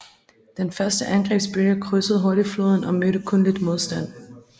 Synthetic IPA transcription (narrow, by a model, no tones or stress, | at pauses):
d̥enfɶɐsd̥əʔænɡ̥ʁɛ̰ːb̥sb̥yɐkʰʁøsəð̩ˠɦoɐɾiflo̝ːð̞ˠn̩ɒ̽møɾ̥əkʰɔ̽nlid̥mo̝ð̞ˠsd̥æn̰